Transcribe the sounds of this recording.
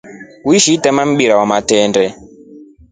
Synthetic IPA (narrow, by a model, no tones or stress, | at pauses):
uiʃiːtɛmam̩ɓiɾawamatɛːndɛ